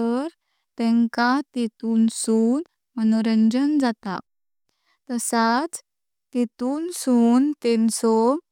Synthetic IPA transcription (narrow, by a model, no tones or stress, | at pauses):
əɾ | t̪ɛ̃ŋkat̪et̪uːnsuːn | mənoɾəɲd͡ʑənd͡zat̪a̰k̚ | t̪əsat͡s | t̪et̪uːnsuːnt̪ɛnsɔ